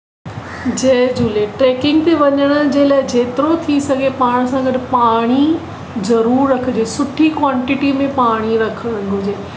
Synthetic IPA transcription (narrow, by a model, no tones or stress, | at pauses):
d͡ʑed͡ʑuleʈɾeːkɪ̃ŋɡ̚t̪eʋɐɲəɽ̃əd͡ʑeːlaːɪd͡ʑeːt̪ɪɾot̪ʰisɐɡʱepaːɽ̃sãɡɐɖɪpaːɽ̃i | zɐɾuːɾːɐkʰd͡ʑeːsʊʈʰikwaːɳʈɪʈimẽpaːɽ̃iɾɐkʰəɽ̃əɽ̃ɡʱʊd͡ʑeː